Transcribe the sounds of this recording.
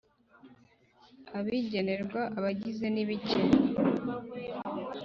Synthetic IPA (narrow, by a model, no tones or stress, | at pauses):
aβiɟe̞ne̞ɾɡwaʔaβaɟize̞niβiceɾ